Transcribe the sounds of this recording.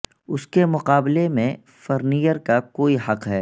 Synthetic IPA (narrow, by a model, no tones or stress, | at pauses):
ʊskemʊqaːblemẽ | fɐɾniːjəɾkakoːiɦɐqɦɛː